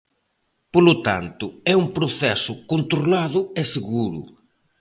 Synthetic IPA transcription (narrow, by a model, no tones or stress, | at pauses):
polʊt̪a̰nt̪ʊɛumpɾʊθɛsʊkont̪ɾolaðʊɛseɣuɾʊ̰